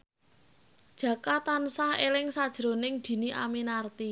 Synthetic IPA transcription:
d̥ʒ̥ä̤kat̪ansahelɪŋsad̥ʒ̥ɾo̤nɪŋd̪̥i̤niʔa̰minart̪i

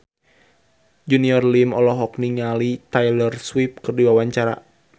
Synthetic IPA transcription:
d͡ʒuniɔrlimɔlɔɦɔk̚niŋalit̪ajlərswip̚kɨrdiwawaɲt͡ʃaɾa̰

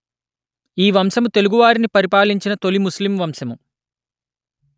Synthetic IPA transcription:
iːʋɐmsɐmut̪e̞luɡuʋaːɾinipɐɾipaːliɲt͡ʃinɐt̪o̞limuslimʋɐmsɐmu

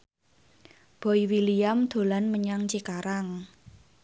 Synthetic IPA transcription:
b̥ɔ̤iwiliamd̪̥o̤lanməɲaŋt͡ʃikaɾaŋ

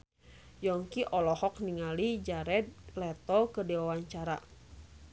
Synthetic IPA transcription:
jɔŋkiʔɔlɔhɔk̚niŋalid͡ʒaɾɛt̪̚lɛt̪ɔkədiwawaɲt͡ʃaɾa

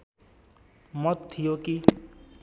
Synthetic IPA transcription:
mʌt̪t̪ʰːijoki

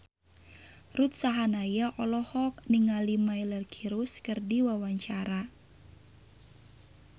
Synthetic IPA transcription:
rut̪̚saɦanajaʔɔlɔhɔk̚niŋalimailərkʰiɾuskɨrdiwawaɲt͡ʃaɾa

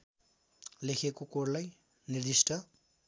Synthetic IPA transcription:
lekʰekokoɾlaj | niɾd̪isʈʌ

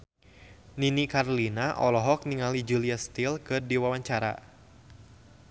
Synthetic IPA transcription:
ninikarlinaʔɔ̰lɔɦɔk̚niŋalid͡ʒuliast̪ilkɨrdiwawaɲt͡ʃaɾa̰

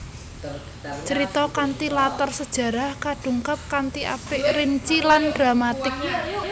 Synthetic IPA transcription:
t͡ʃəɾit̪ɔkant̪ilat̪ərsəd̥ʒ̥ä̤ɾahkaɖ̥ṳŋkap̚kant̪iʔa̰pɪʔrɪnt͡ʃilandɾamat̪ɪk̚

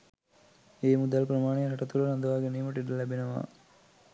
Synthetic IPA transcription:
eːmud̪alpɾɐmaːneɾɐʈɐt̪ulɐnɐnd̪ɐʋaːɡeniːmɐʈiɖɐlːæbinɐʋa̰ː

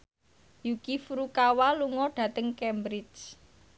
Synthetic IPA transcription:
jukifɾukawaluŋɔɖ̥ä̤t̪əŋkɛmbɾɪt͡ʃ

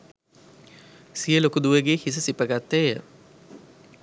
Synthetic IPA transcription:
sijəlokud̪uʋəɡeːhis̬əsipəɡat̪ːejə̰

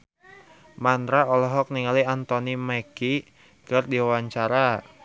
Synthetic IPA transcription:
mand̪ɾaɔlɔɦɔk̚niŋaliant̪ɔnimɛki | kərdiwawaɲt͡ʃaɾa

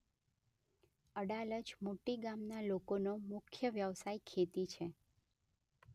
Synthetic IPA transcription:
əɽaləd͡ʒmoʈiɡamnalokonomʊkʰjəʋjəʋsaikʰet̪it͡ʃʰe

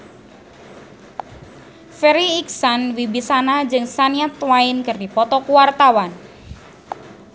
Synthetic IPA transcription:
feɾiːksanwibisanad͡ʒɨŋsaniat̪waɪnkərdipɔt̪ɔkuwart̪awan

